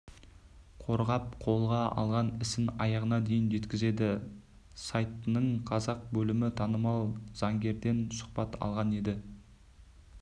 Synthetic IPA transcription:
qʰo̞ɾʁɑp̚qʰo̞lˠʁɑɑ̰lˠʁɑnɪsɪnɑjɑʁənɑd̪e̞jɪnʒe̞t̪kʲɪze̞d̪ɪ | sajt̪ːənəɴqʰɑzɑq̚bɵlɪmɪt̪ʰɑnəmɑlˠz̥ɑŋɡʲe̞ɾd̪e̞nsʊ̥χpɑt̪ʰɑ̰lˠʁɑne̞d̪ɪ

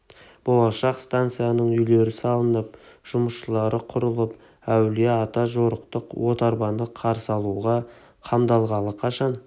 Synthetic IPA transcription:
bo̞lˠɑʃɑqst̪ant̪sɨjanəɴʏjle̞ɾɪsɑlˠənəp̚ʒ̥ʊməsʃəlˠɑɾəqʰʊɾəlˠəp | æwleɑt̪ɑʒo̞ɾəqt̪əqwo̞t̪ɑɾbɑnd̪əqʰɑɾsɑlˠuʁɑ | qʰɑmd̪ɑlˠʁɑlˠəqʰɑʃɑn

